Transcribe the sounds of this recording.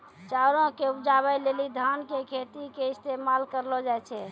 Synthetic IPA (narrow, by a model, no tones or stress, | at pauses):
t͡ʃaɾõkeupd͡ʒaβəjlelid̪ʱankekʰet̪ikeist̪emalkəɾlɔd͡ʒajt͡ʃʰɛ